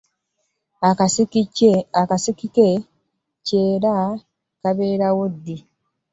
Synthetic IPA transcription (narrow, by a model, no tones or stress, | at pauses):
akasikike | ce̞ːɾa | kaβe̞ːɾawodːi